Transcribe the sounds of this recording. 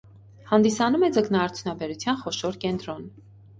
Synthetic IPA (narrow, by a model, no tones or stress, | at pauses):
hɑnd̪isɑnumɛd͡zəknɑːɾt͡sʰjunɑbɛɾut͡sʰjɑnχɔʃɔɾkɛnt̪ɾɔn